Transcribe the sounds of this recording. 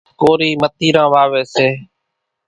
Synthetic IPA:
koːɾiːmət̪iːɾãːʋaːʋeːseː

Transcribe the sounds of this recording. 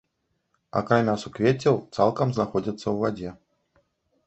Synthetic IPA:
ɐ̰kɾamʲasukvʲet͡sʲːɛwt̪salˠkɐmznaxɔdʲɐt̪sːɐwvad͡zʲɛ

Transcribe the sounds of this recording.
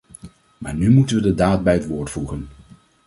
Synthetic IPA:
ma̰ːɹnymutənʋədədaːt̚bɛjɦətʋʊːɹtfuχən

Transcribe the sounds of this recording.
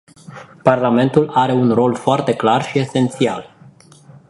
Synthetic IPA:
parlame̞nt̪ulaɾe̞unro̞lfoart̪e̞klarʃie̞se̞nt̪sial

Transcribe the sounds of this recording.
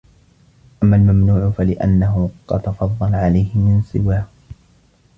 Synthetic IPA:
ʔamːalmamnuːʕʊfalɪʔa̰nːaɦʊqɑ̰d̪t̪ɑfɑðˤːɑlʕalajhɪmɪnsˤɨwaːh

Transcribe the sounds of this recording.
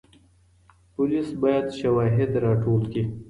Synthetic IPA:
pʊlisbɑjad̪ʃawɑɦɪd̪ɾɑːʈolki

